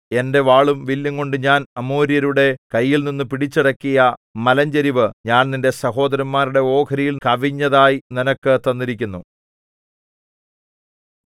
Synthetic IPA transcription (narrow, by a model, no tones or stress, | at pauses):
e̞nde̞ʋaːɭumʋilːɐŋko̞ɳɖɨɲaːnɐmoːɾijɐɾuɽe̞kɐjːilninːɨpiɽit͡ɕːiɽɐkːijɐmɐlɐɲd͡ʑɐɾiʋɨɲaːnninde̞sɐɦo̞ːd̪ɐɾɐnmaːɾuɽe̞o̞ːkʰɐɾijilkɐʋiɲːɐðaːjininɐkːɨt̪ɐnːiɾikʲːunːu